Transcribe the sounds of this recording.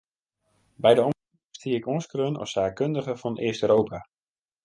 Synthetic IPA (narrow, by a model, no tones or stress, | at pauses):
bɛjdəɔ | stiɪkɔnskrønɔ̰fsaːkːøndəχəfɔnɪəstøːɾowpʰa